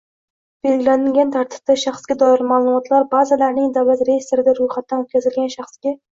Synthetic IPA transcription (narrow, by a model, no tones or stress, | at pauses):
b̥e̞lɡʲɪlanɪlɡʲant̪ʰaɾt̪ʰɪ̥p̚d̪aʃaχsɡʲad̪ɒɪɾmaːlˠʊmɒt̪ʰlaɾbazɪlaɾnɪŋd̪awlat̪ɾejest̪oɾɪd̪aɾʊjχat̪̚ːanot̪̚kʲʰazɪlɡʲanʃaχsɡʲa